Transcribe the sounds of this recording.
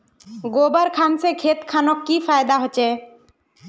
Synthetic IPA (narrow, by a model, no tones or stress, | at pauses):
ɡobaɾkʰansekʰet̪kʰanokːifajd̪aɦot͡ɕʰe